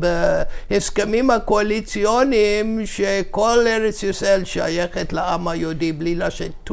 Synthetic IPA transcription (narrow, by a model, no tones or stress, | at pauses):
beheskemimhakoalit͡sijonimʃekoleɾet͡sjuselʃa̰jeχetlaamajodiblilaʃetː